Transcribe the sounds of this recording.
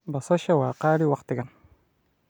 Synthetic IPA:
bɑsˤɑʃawaqaːliwɑqt̪ɪɡan

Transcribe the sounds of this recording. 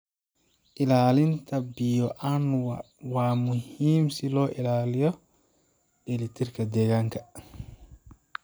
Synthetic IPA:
ʔɪlaːlɪnt̪ʰɐbɪjɔʔanw | wɑːmʊhiːmsɪlɔːʔɪlaːlɪjɔ | ʔɪlɪt̪ʰɪrkʰɐd̪ɛːɣaːŋkʰɐ

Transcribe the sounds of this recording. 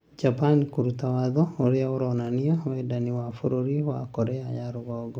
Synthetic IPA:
d͡ʒapankuɾutawaðɔoɾeaoɾɔnaniɔwɛdaniwafoɾoɾiwa̰kɔɾɛajaɾoɣɔɡɔ

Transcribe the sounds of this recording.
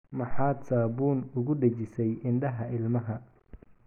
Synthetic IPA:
mɐħɑːd̪saːbuːnʊɣʊɖɐt͡ʃɪsɛjʔɪnɖɐɦɐʔɪlmɐɦɐ

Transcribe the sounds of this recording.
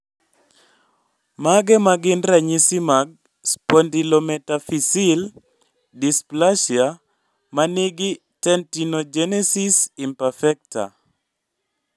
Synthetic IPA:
maɡɛmaɡɪnɾaɲisimaɡ̚ | spɔndilomɛtafisil | displaʃja | manɪɡɪ | tɛntinod͡ʒɛnɛsisimpafɛk̚ta̰

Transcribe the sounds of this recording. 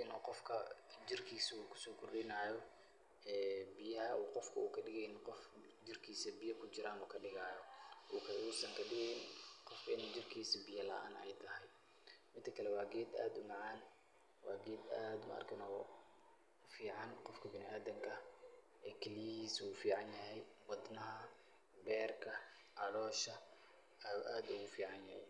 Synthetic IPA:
nɔ̰ːqɔfkʰɐd͡ʒɪrkʰiːsuːkʰʊ̥sɔːkʰʊrɪnaːjɔ | ɛːbɪjɐɐuːqɔfkʰɐuːkʰɐɖɪɣɛjnqɔf | d͡ʒɪrkʰiːsɐbɪjɐkʰʊt͡ʃɪɾaːnɔːkʰɐɗɪɣaːjɔʔuːkʰɐʊsɐŋkʰɐɖɪɣɛjnqɔfkɪ̰nd͡ʒɪrkʰiːsɐbɪjɐlɐ̰ʔaːnɛ̰jt̪ʰɐɦɛj | mɪnt̪ʰɐkʰɐlɛwɑːɡɛːd̪aːd̪ʊmɑʕɑːn | wɑːɡɛːd̪aːd̪ʊmɐ̰ɐ̰rkʰɐnɔɣ | fiːʕɑnqɔfkʰɐbɪnɪʔaːd̪ɐŋkʰɐ | ʔɛkʰɪliɐiːsuːfiːʕɑnjɐɦɛjwɑd̪nɐɦɐ | bɛːrkʰɐ | ʕɑɽɔːʃɐ | ʔaːd̪ʊɣʊfiːʕɑnjɐhɛ̰j

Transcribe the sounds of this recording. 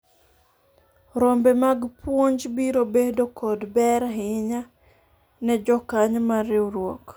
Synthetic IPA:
ɾombɛmaɡpwoɲd͡ʒbiɾobedokʰɔdbɛɾɦɪɲa | nɛd͡ʒɔkaɲmaɾɪwɾwɔk

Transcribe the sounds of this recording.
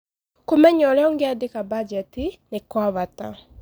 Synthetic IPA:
komɛɲɔlɛɔŋɡeadekabad͡ʒɛtinekwaβata

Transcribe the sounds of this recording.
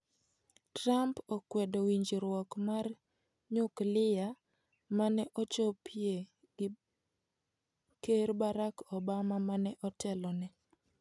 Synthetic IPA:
tɾampokwɛdowiɲd͡ʒiɾwɔkmar | ɲʊklɪja | manɛʔɔt͡ʃopʰie | ɡ | keɾbaɾakɔbamamanɛʔɔtɛlɔnɛ

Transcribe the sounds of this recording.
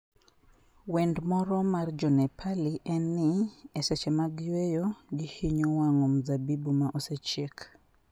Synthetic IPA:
wɛndmɔɾɔmard͡ʒɔnɛpʰaliʔɛniɛsɛt͡ʃɛmaɡjwejoɡihiɲowaŋomzabibumaʔosɛt͡ʃɛk

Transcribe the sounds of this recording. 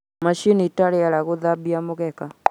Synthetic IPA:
maʃinitaɾeaɾaɣoðabiamoɣɛka

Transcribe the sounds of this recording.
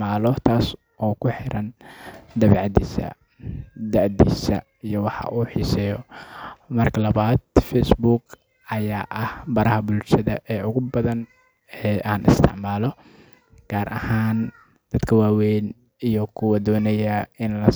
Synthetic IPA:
aːlɔt̪ʰaːs | ʔɔːkʰʊħɪɾɐnd̪ɐβɛːʕɑd̪iːsɐ̰ | d̪ɐʕd̪ḭːsɐ̰ | ijɔwɑħɑ̰ʔuːħiːsɛːjɔ | mɐrkʰɐlɐβaːd̪fɛsbuːɡ | ʔɐjaːʔɐhbɐɾɐhɐbʊlʃɐðɐ̰ʔɛːʔʊɣʊbɐðɐn | ɛːaːnɪ̰st̪ʰɪ̰ʕmaːlɔ | ɡ̥aːɾʔɐ̰haːn | d̪̥ɐd̪kʰɐwaːwɛjn | ijɔkʰʊwɐd̪ɔːnɛjɐɪnlɐ

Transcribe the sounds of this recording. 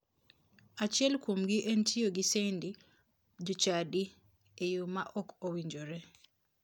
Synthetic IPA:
at͡ʃɪɛlkomɡiʔentʰioɡisendi | d͡ʒut͡ʃadi | ejumaʔɔkʰowiɲd͡ʒoɾɛ

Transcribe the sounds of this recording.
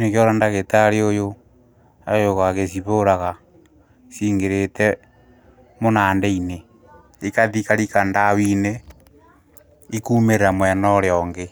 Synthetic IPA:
nekeoɾandaɣetaɾeojo | a̰joɣaɣesiβoɾaɣa | siːŋɡeɾetɛ | monaːndeine | ikaðikaɾikandawine | ikuːmeɾeɾamwɛnɔɾjɔŋɡe

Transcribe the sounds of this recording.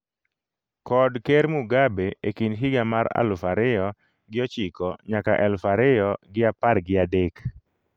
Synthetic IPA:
kɔdkɛɾmuɡabeekinɦɪɡamaɾa̰lfaɾɪjɔ | ɡɪɔt͡ʃikɔɲakaʔɛlfaɾɪɔɡɪapaɾɡɪadek

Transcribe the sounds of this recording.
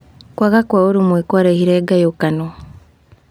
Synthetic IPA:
kwakakwauɾumwekoɾehiɾeːɡajokano

